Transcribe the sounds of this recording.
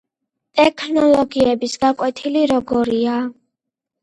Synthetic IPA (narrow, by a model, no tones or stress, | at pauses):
t̪ʼɛkʰnɔlˠɔɡiɛbisɡakʼwɛt̪ʰiliɾɔɡɔɾia